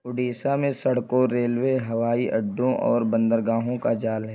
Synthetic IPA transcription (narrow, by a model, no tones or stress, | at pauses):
ʊɖiːsamẽsɐɽkõɾeːlweɦɐʋaːiʔɐɖːõʔɔ̰ːɾbə̃nd̪əɾɡaːɦõkad͡ʒaːlɦɛ